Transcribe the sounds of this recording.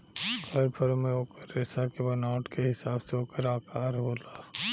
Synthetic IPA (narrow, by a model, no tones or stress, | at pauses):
kʰəɾpʰəɾmẽoːkəɾːeːsakebɐnaːʈkeɦɪsaːbseoːkəɾaːkaːɾɦoːla